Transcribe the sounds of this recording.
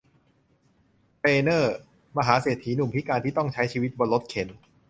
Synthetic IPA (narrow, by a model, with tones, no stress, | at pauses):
t̪eː˧nɤː˥˩ | ma˧ɦaː˩˦seː˨˩t̪ʰːiː˩˦nu˨˩mpʰi˦˥kaː˧nt̪ʰiː˥˩t̪ɔ˥˩ŋt͡ɕʰa˦˥jt͡ɕʰiː˧wi˦˥t̪̚bɔ˧lo˦˥t̪̚kʰe˩˦n